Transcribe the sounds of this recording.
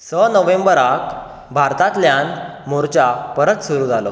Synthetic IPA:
sənəʋẽmbəɾak | bʱaɾt̪at̪ljanmoɾt͡ɕapəɾət̪suɾuːd͡zʱalo̰

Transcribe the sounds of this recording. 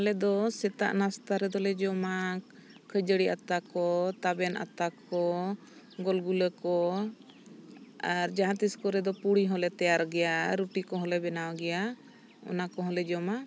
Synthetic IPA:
hɔlɛd̪ɔsɛt̪a̰ʔnast̪aɾɛd̪ɔlɛd͡ʒɔma | kʰəd͡ʒəɽiʔat̪akɔt̪abɛnʔa̰t̪akɔ | ɡɔlɡuləkɔ | aɾd͡ʒaɦãt̪iskɔɾɛd̪ɔpuɽiɦɔlɛt̪ɛjaɾɡɛjaɾuʈikɔɦɔlɛbɛnawɡɛja | ɔ̰nakɔɦɔlɛd͡ʒɔma

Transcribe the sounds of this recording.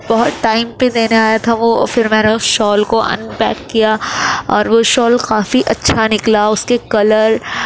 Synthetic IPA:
bɐɦɔt̪ʈaːɪmpẽd̪eːneaːjat̪ʰaʋofɪɾmɛːneʊsʃɔːlkoʔɐ̰̃npɛ̰ːkːijaɔːɾʋoʃɔːlkaːfiʔɐtːʃʰanɪklaʊskekɐləɾ

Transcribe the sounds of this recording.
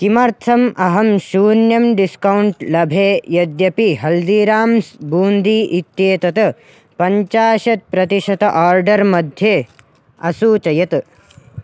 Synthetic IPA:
kimɐɾt̪ʰɐmʔɐɦɐmʃuːnjɐmɖiskɐwɳʈlɐbʱeːjɐd̪jɐpiɦɐld̪iːɾaːmsbuːnd̪iʔit̪jeːt̪ɐt̪ | pɐɲt͡ʃaːʃɐt̪̚pɾɐt̪iʃɐt̪ɐʔaːɾɖɐɾmɐd̪ʱjeː | ɐsuːt͡ʃɐjɐt̪

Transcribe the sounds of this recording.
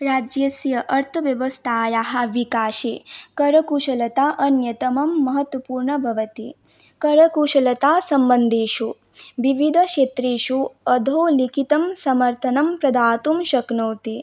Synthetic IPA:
ɾaːd͡ʒjɐsjɐʔɐɾt̪ʰɐʋjɐʋɐst̪ʰaːjaːɦɐ̆ʋikaːʃekɐɾɐkuːʃɐlɐt̪aːʔɐnjɐt̪ɐmɐmːɐɦɐt̪wɐpuːɾɳɐbʱɐʋɐt̪i | kɐɾɐkuːʃɐlɐt̪aːsɐmbɐnd̪ʱeːʃu | ʋiʋid̪ʱɐʃeːt̪ɾeːʃuɐd̪ʱoːlikit̪ɐmsɐmɐɾt̪ʰɐnɐmpɾɐd̪aːt̪umʃɐknoːt̪i

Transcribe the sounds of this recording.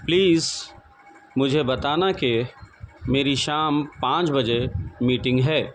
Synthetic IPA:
pliːz | mʊd͡ʒʱebɐt̪aːnake | meːɾiʃaːmpãːt͡ʃbɐd͡ʒemiːʈɪ̃ŋɡɦɛː

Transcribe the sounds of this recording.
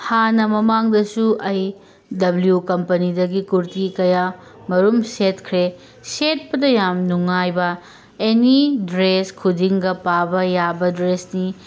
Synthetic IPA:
hanɐmɐmaŋdɐsuʔɐj | dɐbljukɐmpɐnidɐɡikuɾtikɐja | mɐɾumsetkʰɾe | set̚pɐdɐjamnuŋajbɐ | enidɾeskʰudiŋɡɐpabɐjabɐdɾesni

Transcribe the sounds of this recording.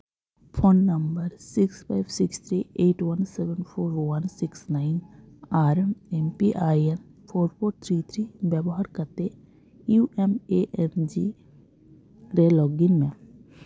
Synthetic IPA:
pʰoːnːəmbəɾsɪkspʰaɪbsɪkst̪ʰɾieːʈwɐnsɛʋənpʰoːɾwɐnsɪksnaɪnaːɾmɛmpiʔaːienpʰoːɾpʰoːɾt̪ʰɾiːt̪ʰɾibjɛbɔɦaɾkəɾt̪e | juːʔɛmeʔɛnd͡ʒi | ɾelɔːɡɪnmẽ

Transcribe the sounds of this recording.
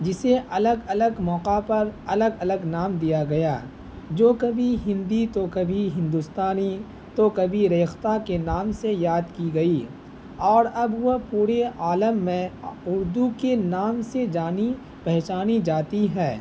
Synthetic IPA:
d͡ʒɪseʔɐləɡɐləɡmɔːqapɐɾɐləɡɐləɡnaːmd̪ijaɡɐjaː | d͡ʒoːkɐbʱiɦɪ̃nd̪it̪okɐbʱiɦɪ̃nd̪ʊst̪aːni | t̪okɐbʱiɾeːxt̪akenaːmsejaːd̪kiɡɐiː | ɔːɾɐbʋopuːɾeaːləmːẽʊɾd̪ukenaːmsed͡ʒaːni | pɛɦt͡ʃaːnid͡ʒaːt̪iɦɛː

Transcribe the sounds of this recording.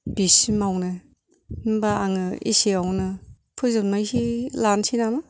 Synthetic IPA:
b̥isimawnɯ | nbaaŋɯḭsiawnɯ | pʰɯzɯnmajsilansʰinama

